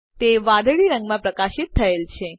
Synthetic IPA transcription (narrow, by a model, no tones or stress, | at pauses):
t̪eʋãd̪ɭiɾə̃ŋɡmãpɾəkaʃɪt̪ʰːəelt͡ʃʰe